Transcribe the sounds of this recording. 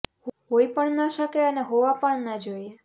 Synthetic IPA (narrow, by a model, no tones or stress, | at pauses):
hɦoipəɳnəʃəkeəneɦoʋapəɳnəd͡ʒoie